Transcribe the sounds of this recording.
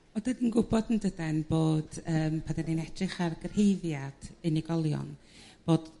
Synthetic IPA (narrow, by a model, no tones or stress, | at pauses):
ɔdadinɡʊbɔdn̩dədɛnb̥oːd̥əːmpʰadaninɛdrɪχarɡər̥hejvjad̥ɨniɡɔlˠjɔ̰n | b̥oːd̥